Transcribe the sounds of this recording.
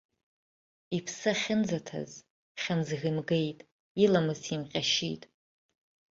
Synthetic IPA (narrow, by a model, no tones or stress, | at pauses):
ipʰsɨχʲɪnd͡zatʰa̰z | χʲanzɣʲɨmɡe̞jtʼ | ilamɨzimqʲʼaʃḭtʼ